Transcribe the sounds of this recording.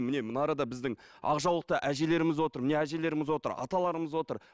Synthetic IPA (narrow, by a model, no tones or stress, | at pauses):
mɪne̞mənɑɾɑd̪ɑbɪzd̪ɪŋ | ɑ̰qʒɑwlˠəq̚t̪əʔæʒe̞le̞ɾɪmɪzwo̞t̪əɾmɪne̞æʒe̞le̞ɾɪmɪzwo̞t̪ə̰ɾɑ̰t̪ɑlˠɑɾəməzwo̞t̪əɾ